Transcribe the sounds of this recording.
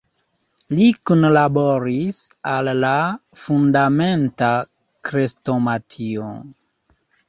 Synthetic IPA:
likunlaboɾisalːafundamenta | kɾestomatʰio̰

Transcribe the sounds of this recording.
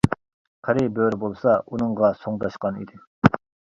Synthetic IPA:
qʰæɾɪbøɾɪbolˠsɑunɨŋʁɑsoŋd̪ɑʃqɑnḭd̪ɪ

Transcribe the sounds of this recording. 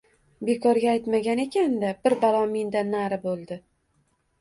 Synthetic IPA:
be̞kʰɒɾɡʲaːjt̪maɡʲane̞kʲand̪abɪɾbalˠɒmind̪anːaɾɪbolˠd̪ɪ

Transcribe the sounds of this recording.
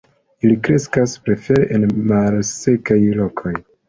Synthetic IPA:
ilikɾe̞skaspɾe̞fe̞ɾeʔenmalse̞kajlo̞kʰo̞j

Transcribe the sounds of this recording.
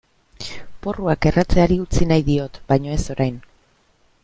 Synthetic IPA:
po̞ruake̞rat͡se̞aɾiut͡sinajðio̞t̪bajɲo̞e̞so̞ɾajn

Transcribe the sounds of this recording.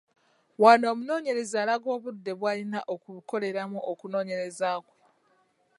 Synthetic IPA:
waːnoːmuno̞ːɲe̞ɾe̞zaːlaɡo̞ːβudːe̞βwaːlinaʔokuβuko̞le̞ɾamuʔokuno̞ːɲe̞ɾe̞zaːkwe

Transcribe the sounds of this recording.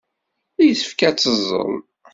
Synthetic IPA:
æjəθə̥fkæt͡sːəzˤːə̰n

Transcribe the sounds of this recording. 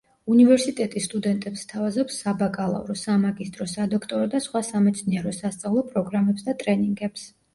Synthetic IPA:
univɛɾsit̪ʼɛt̪ʼisːt̪ʼud̪ɛnt̪ʼɛpst̪ʰavazɔpsːabakʼalˠa̰vɾɔsamaɡist̪ʼɾɔsad̪ɔkʰt̪ʼɔɾɔd̪asχwasamɛt̪sʰniɛɾɔsast̪sʼavlˠɔpʼɾɔɡɾamɛpsd̪at̪ʼɾɛniŋɡɛps

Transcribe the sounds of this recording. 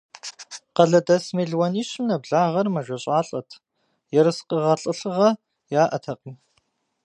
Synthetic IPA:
qɐɮɐdɐsmeɮwɐniːɕmnɐbɮaːʁɐrmɐʒʷɐɕʼaːɬʼɐtʰ | jɛɾɨsqəʁɐɬʼɨɬɨʁɐ | jaːʔɐtʰɐqʼim

